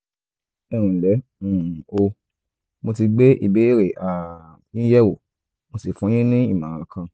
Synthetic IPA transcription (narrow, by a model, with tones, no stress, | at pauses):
ɛ˦˨ɾ̃ũ˨lɛ˨˦ũ˨o˧ | mo˧ti˧ɡ͡be˦ʔḭ˦˨be˨˦i˦ɾe˨ʔa˨ | ĩ˦jɛ˦wo˨ | mo˧si˨fũ˨˦j̃ẽ˦nĩ˦ḭ˦˨mã˨ɾ̃ã˨˦kã˧